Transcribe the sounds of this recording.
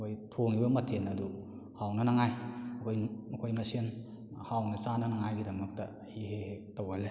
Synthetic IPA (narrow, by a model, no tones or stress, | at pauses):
ojtʰoŋibɐmɐtʰenɐdu | hawnɐnɐŋajkʰojnukʰojmɐsen | hawnɐsanɐnɐŋajɡidɐmɐk̚tɐ̰ | hiɦehetɐwale